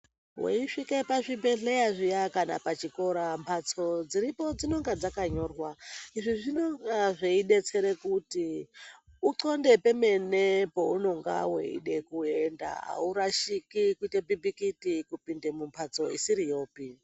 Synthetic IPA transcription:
wḛiʂikepaʐibe̞ɮe̞jaʐijakana̰pat͡ʃiko̞ɾampʰat͡so̞d͡ziɾipo̞d͡zino̞ŋɡad͡zakaɲo̞ːrwaiʐiʐino̞ŋɡaʐeiɗe̞t͡se̞ɾe̞kuti | uǀonde̞pe̞me̞nepouno̞ŋɡa̰wḛḭɗe̞kuenda̰ɦa̰uɾaʃikikuitebibikitikupinde̞mumpʰat͡so̞ḭsiɾijo̞ːpi

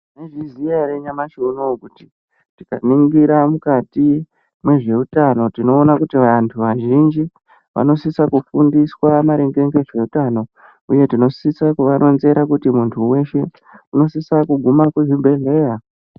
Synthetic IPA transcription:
neʐiziaɾeɲamaʃonokuti̥ | tika̰niŋɡiɾamukati | mwe̞ʐe̞utano̞tino̞ːnakutiʋantʰuʋaʒind͡ʒi | ʋʔa̰no̞sisakufundiswamaɾe̞ŋɡe̞ŋɡe̞ʐe̞utano̞ | uje̞tino̞sisakuʋanʔo̞nze̞ɾakutimuntʰuwe̞ʃe̞ | uno̞sisakuɡʱumakweʐibʱe̞ɮe̞ja

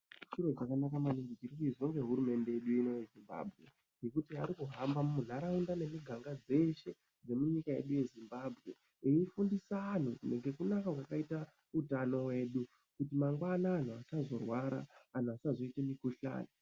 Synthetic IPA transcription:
ʃuro̞t͡ʃakanakamaniŋɡit͡ʃiɾikuizo̞ŋɡe̞ɦuɾume̞nde̞jeɗuino̞jezimba̰ːbʱɣe̞̰ | ɡe̞kutiaɾikuɦambamumuɮaɾaundane̞miɡʱaŋɡad͡ze̞ʃe̞ | d͡ze̞muɲikaḛɗuje̞zimbabʱɣe̞̰ | iifundisaːn̤une̞ŋɡe̞kunakaɦwakaita | utano̞we̞ɗu | kutimaŋɡwanaːn̤uasazo̞rwaɾa̰ːn̤uasazo̞itemikoɬa̰ːni

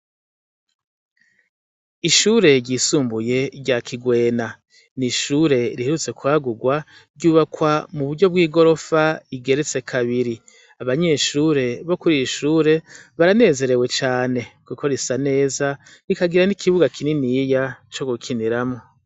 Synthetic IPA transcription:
iʃuɾe̞ɟiːsuːmbuje̞ɾɟakʰiɡwe̞ːna | niʃuːɾe̞ɾiheɾut͡se̞kuaːɡuɡwa | ɾɟuːβakwamuβuɾɟo̞b̚ɡiːɡo̞ɾo̞faiɡe̞ɾet͡se̞kʰaβiɾi | aβaɲe̞ʃuːɾe̞βo̞kuɾiiʃuːɾe̞βaɾane̞ːze̞ɾe̞we̞t͡ʃaːne̞kukʰo̞ɾisane̞ːza | ɾikaɡiɾanikʰiβuɡakʰininijat͡ʃo̞ɡukʰiniɾamo̞

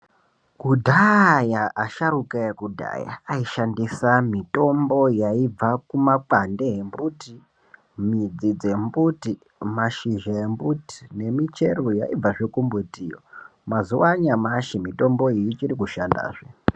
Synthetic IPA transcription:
kudʱajaaʃarukaekudʱa̰ja̰ːiʃandisamito̞mbo̞jaib͡vakumak͡pande̞ɦembuti | mid͡zid͡zembuti | maʃiʒaembuti̥ne̞mit͡ʃe̞rujaib͡vaʐekumbutijo̰mazuwaɲamaʃimito̞mbo̞ijit͡ʃiɾikuʃanda̰ːʐe

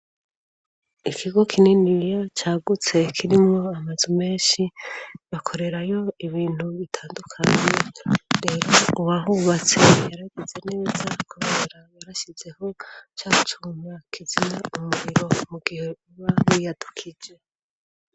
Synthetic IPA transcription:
ikʰiɡo̞kʰininijo̞t͡ʃaːɡut͡se̞kʰiɾimŋo̞amazume̞ːnʃiβakʰo̞ɾe̞ɾajo̞iβiːn̥huβitʰaːndukʰaɲe̞ɾe̞ɾo̞uwaɦuβat͡se̞jaɾaiɡeze̞neβizakʰuɾeɾaβaɾaʃize̞ho̞t͡ʃaːutʰuːmakʰizinaumuɾiɾo̞umuɡihe̞uβawijad̥ukʰid͡ʒe̞

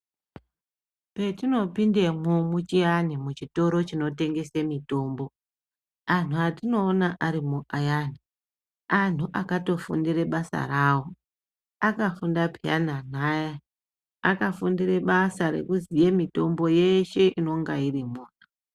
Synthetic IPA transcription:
pe̞tino̞pindemomut͡ʃianimut͡ʃito̞ɾo̞t͡ʃino̞te̞ŋɡe̞semito̞ːmbo̞ | an̤uatino̞ːnaʔaɾimuʔajani | an̤uʔakato̞fṵndire̞ɓasa̰ɾaːwo | akafundapia̰nan̤aja | akafundire̞ɓasaɾe̞̰kuzijemito̞mbo̞je̞ʃe̞ʔino̞ŋɡairimuːna

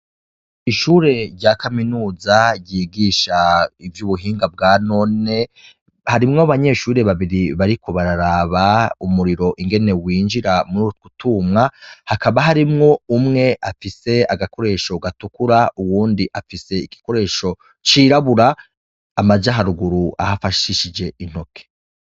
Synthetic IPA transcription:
iʃuːɾe̞ɾɟakaminuːzaɾjiːɡiːʃaivjuβuɦiːŋɡab̚ɡaːno̞ne̞ | haɾimŋoβaɲe̞ʃuːɾe̞βaβiɾiβaɾiko̞βaɾaɾaβaumuɾiɾo̞ʔiŋɡe̞ne̞wiːnd͡ʒiɾamuɾuːɾutkutumŋahakʰaβaɦaɾimŋo̞umŋe̞ʔafise̞aɡako̞ɾe̞ːʃo̞ɡatukuɾauwuːndiʔafise̞iki̥ko̞ɾe̞ːʃo̞ | t͡ʃiːɾaβuɾaː | mazaɦaɾuɡuɾuʔa̰hafaʃiʃid͡ʒe̞in̥ho̞kʰe

